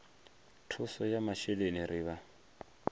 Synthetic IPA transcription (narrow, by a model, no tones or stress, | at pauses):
tʰusɔjamaʃɛleniɾiːβa